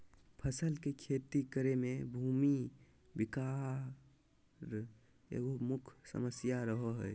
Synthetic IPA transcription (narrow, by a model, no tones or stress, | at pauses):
pʰəsəlkekʰet̪ikəɾemebʱumi | bika | ɾ | ḛɡomukʰsə̰məsjaɾəɦəɦəj